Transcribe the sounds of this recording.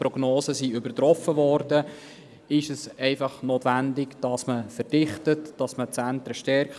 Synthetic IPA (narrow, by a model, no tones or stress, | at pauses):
pɾɔɡ̥noːsəsiybəɾtɾɔfːəʋɔːɾdə | ɪʃəsɛɪfɑχnoːtʋændɪɡd̥ɑsməfəɾd̥ɪχtətd̥ɑsmət͡sænt̪ɾəʃtɛɾk